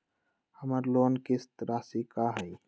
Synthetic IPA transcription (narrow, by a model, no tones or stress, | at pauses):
həməɾloːnkɪst̪ɾasikaɦəj